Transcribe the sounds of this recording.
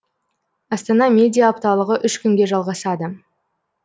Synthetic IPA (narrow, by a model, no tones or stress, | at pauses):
ɑst̪ɑnɑmʲe̞d̪ʲijaːpt̪ɑlˠəʁəʔʏʃkʲʏŋɡʲe̞ʒɑlˠʁɑsɑd̪ə